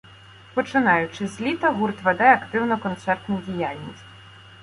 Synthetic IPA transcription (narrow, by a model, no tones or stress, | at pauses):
pɔt͡ʃɪnɑjʊt͡ʃɪzʲlʲit̪ɐɦurt̪ʋed̪ɛɐkt̪ɪwnɔkɔnt̪sɛrt̪nʊdʲijalʲnʲisʲtʲ